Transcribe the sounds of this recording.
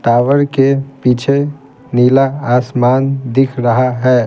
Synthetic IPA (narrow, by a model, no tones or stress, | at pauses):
t̪aːʋəɾkepit͡ʃʰe | nilaasmaːnd̪ɪkʰɾəɦaɦɛː